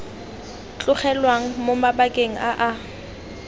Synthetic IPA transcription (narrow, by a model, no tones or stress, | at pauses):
t͡ɬʼʊχɛlwaŋ̩momabakʼeŋ̩aʔa